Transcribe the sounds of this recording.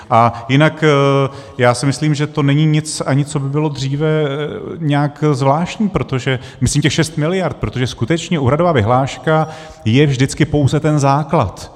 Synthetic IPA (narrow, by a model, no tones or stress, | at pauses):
ʔajɪnak | jaːsɪmɪsliːmʒɛt̪o̞nɛɲiɲɪt͡saɲɪt͡so̞bɪbɪlo̞d̪r̝iːvɛ | ɲɛakzvlaːʃcɲiːpɾot̪o̞ʒɛ | mɪsliːmcɛxʃɛst̪mɪlɪjaɾt̪̚pɾo̞t̪oʒɛskut̪ɛt͡ʃɲɛʔuːɾadovaːvɪɦlaːʃka | jɛvʒdɪt͡skɪpo̞wzɛt̪ɛnzaːkla̰t̪